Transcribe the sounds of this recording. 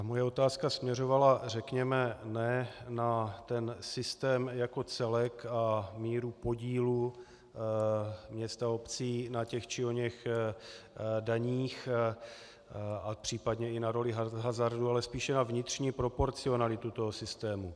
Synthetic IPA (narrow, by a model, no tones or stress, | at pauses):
mo̞jɛo̞t̪aːskasmɲɛro̞valar̝ɛkɲɛmɛnɛnat̪ɛnsɪst̪ɛːmjako̞t͡sɛlɛkamiːɾupo̞ɟiːlu | mɲɛst̪ao̞pt͡siːnacɛxt͡ʃɪoɲɛx | daɲiːx | apr̝̥iːpadɲɛɪnaɾo̞lɪɦaɦazaɾdualɛspiːʃɛnavɲɪt̪r̝̥ɲiːpɾo̞po̞ɾt͡sɪo̞nalɪt̪ut̪o̞ɦo̞sɪst̪ɛːmu